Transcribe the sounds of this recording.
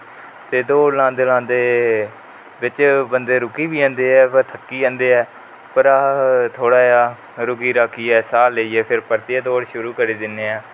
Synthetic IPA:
t̪eːd̪oːɽlãːd̪eːlãːnd̪eː | ʋɪt͡ʃbənd̪eːɾʊkiːbiːãːnd̪eːɛːpəɾt̪ʰəkːiːãːnd̪eːɛː | pəɾat̪ʰoːɽaːjaː | ɾʊkiːɾaːkʰːiːɛːsaːlːeiːɛːpʰɪɾpəɾt̪ɪaːd̪oːɽʃʊɾuːkəɾiːd̪ɪnːeːɛː

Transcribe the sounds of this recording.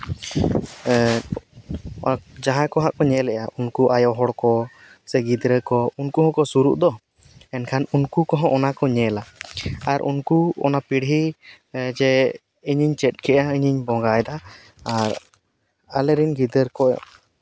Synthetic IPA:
d͡ʒaɦãkɔɦaʔkɔɲɛlɛʔaʔunkuʔajɔɦɔɽkɔ | sɛɡid̪ɾəkɔunkuɦɔ̃kɔsuɾuʔd̪ɔ | ɛnkʰanunkukɔɦɔ̃ʔɔnakɔɲɛlaaɾʔṵnkuɔ̰napiɽɦi | d͡ʒɛ | iɲiɲt͡ʃɛt̪̚ˀkʰɛʔaiɲiɲbɔ̃ɡajd̪aː | ɾ | alɛɾinɡid̪əɾkɔ

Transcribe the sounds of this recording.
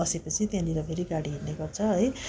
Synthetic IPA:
ʌsepʌt͡sʰit̪jãliɾʌpʰeɾiɡaɽiɦirneɡʌrt͡sʰʌɦʌj

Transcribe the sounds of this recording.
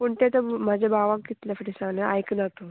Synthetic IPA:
puɳt̪et̪əm̤ad͡ʑʱebʱaʋãk̚ɡit̪lefəʈisanea̰jknat̪o

